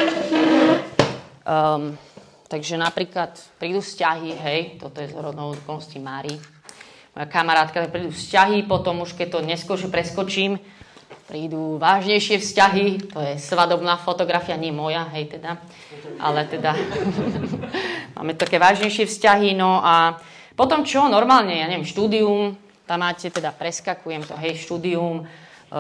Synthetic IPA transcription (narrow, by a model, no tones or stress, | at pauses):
t̪aɡʒɛnapɾiːklat̪pɾiːd̪uːfscaɦiɦɛjt̪ɔt̪ɔjɛzɔɾɔd̪nɔd̪ukɔscimaːɾi | mɔ̰jakamaɾaːt̪̚kat̪ak̚pɾiːd̪ufscaɦipɔt̪ɔmuʃkɛc̚t̪ɔɲɛskɔɾʒɛpɾɛskɔt͡ʃiːm | pɾiːd̪uʋaːʒɲɛjʃɪɛfscaɦit̪ɔjɛsʋad̪ɔbnaːfɔt̪ɔɡɾafijaɲɪɛmɔjaɦɛjt̪ɛd̪a | ʔa̰lɛt̪ɛd̪a | ma̰ːmɛt̪ɔt̪akɛʋaːʒɲɛjʃɪɛfscaɦinɔʔa | pɔt̪ɔmt͡ʃɔnɔɾmaːlɲɛjaːɲɛʋjɛmʃt̪uːd̪ium | t̪amːaːcɛt̪ɛd̪apɾɛskakujɛmt̪ɔɦɛjʃt̪uːd̪ium